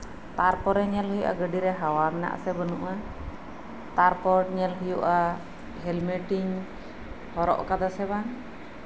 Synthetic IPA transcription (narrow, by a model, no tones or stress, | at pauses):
t̪aɾpɔɾɛɲɛlɦujuʔa̰ɡəɖiɾɛɦawamɛna̰ʔsɛbənṵʔa | t̪aɾpɔʈɲɛlɦujuʔa | ɦɛlmeʈiɲ | hɔɾɔ̰ʔkad̪asɛβan